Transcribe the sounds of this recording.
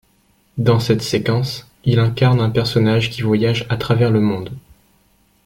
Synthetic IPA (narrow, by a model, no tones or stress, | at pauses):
d̪ɑ̃sɛt̪sekɑ̃s | ilɛ̃kaʁnɛ̃pɛʁsɔnaʒkʲivwajaʒat̪χavɛʁləmɔ̃d̪